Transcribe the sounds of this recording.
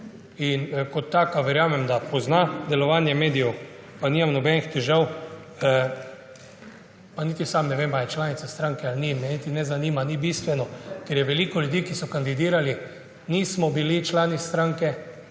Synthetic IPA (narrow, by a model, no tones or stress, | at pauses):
inkɔt̪ːakaʋɛɾjaːmɛmd̪apɔznad̪ɛlɔʋaːnjɛmeːd̪ijɛw | panimamnɔbɛnixt̪ɛʒaw | panit̪isamnɛʋemajɛt͡ʃlaːnit̪sast̪ɾaŋkɛalnimɛnit̪inɛzaniːmanibist̪ʋɛnɔkɛɾjɛʋɛlikɔljud̪iːkisɔkand̪id̪iːɾali | nismɔbilit͡ʃlaːnist̪ɾaŋkɛ